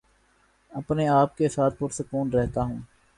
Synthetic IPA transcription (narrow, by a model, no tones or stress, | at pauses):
əpneaːp̚kesaːt̪̚ʰpʊɾsəkuːnɾɛɦt̪aɦũː